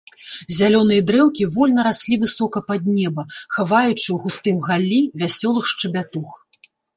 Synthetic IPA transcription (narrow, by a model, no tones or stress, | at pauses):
zʲalʲɔnɨjɐd̪ɾɛwkʲivɔlʲnɐɾasʲlʲivɨsɔkɐpad̪̚nʲɛbɐxavajut͡ʂɨwɣust̪ɨmɣalʲːivʲasʲɔlˠɨxʂt͡ʂɨbʲat̪ux